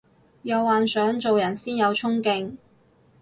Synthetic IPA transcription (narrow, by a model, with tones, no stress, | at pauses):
jɐ˨˧wːaː˨nsœː˨˥ŋt͡so˨wjɐ˨˩nsiː˥njɐ˨˧wt͡sʰʊ˥ŋkɪ˧ŋ